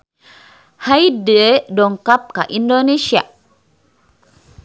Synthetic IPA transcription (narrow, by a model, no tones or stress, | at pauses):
hajdedɔŋkap̚kaʔindonesia̰